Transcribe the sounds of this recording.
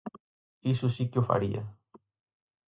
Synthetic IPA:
isusikjofa̰ɾia̰

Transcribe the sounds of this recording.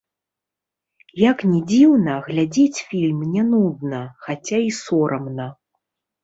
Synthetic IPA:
jaknʲɛd͡zʲiwnɐɣlʲad͡zʲet͡sʲfʲilʲmnʲɛnud̪nɐxat͡sʲaisɔɾʔɐmnɐ

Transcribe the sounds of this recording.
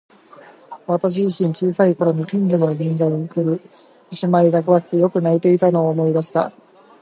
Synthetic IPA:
βat̪aɕ̬iʑiɕĩɲ̟t͡ɕiːsaiko̞ɾo̞ɲ̟ikʲɯ̃ɲɡɯnod͡ʑĩɲ̟d͡ʑaɯkɯ̟ɾɯ̟ | ɕimaɾʲiɡakɯ̟βakɯ̥t̪ːejo̞kɯ̟nait̪e̞it̪ano̞ːmo̞id̪aɕi̥t̪a̰

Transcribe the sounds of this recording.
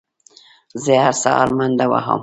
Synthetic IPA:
zeaɾsa̰a̰ɾmand̪awa̰ɦə̰m

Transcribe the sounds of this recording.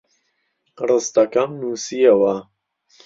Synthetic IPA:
rɨst̪ɐkɐmnuːsiɐwɐ

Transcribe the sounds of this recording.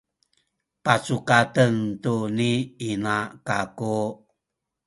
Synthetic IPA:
pat͡sukatəntuniinakaku

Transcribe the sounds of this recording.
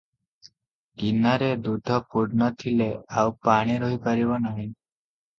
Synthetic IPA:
ɡinaɾed̪ud̪ʱɔpuɾnɔt̪ʰileawpaɽ̃iɾɔɦipaɾibɔnaɦĩ

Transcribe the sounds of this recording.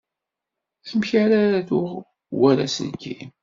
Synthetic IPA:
θəmçaɾaæðʊʁ | wæɾæ̰sə̰nkḭm

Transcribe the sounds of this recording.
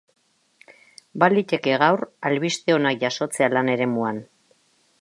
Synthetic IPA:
balit̪e̞ke̞ɣ̞awralβist̪e̞o̞nakʝaso̞t͡se̞alane̞ɾe̞muan

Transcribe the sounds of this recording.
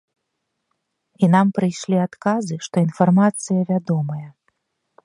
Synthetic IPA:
inampɾɨjʂlʲiat̪kazɨʂt̪ɔinfarmat̪sɨjɐvʲad̪ɔmɐjɐ

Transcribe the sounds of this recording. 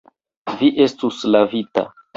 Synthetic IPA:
viʔe̞stuslavita̰

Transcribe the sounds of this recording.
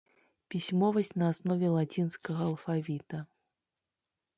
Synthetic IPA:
pʲisʲmɔvɐsʲt͡sʲnɐasnɔvʲɛlˠat͡sʲinskɐɣɐɐlˠfavʲit̪ɐ

